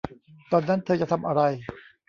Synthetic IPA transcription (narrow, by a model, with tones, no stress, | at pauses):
t̪ɔː˧nːa˦˥nt̪ʰɤː˧t͡ɕa˨ʔt̪ʰa˧mʔa˧ɾa˧j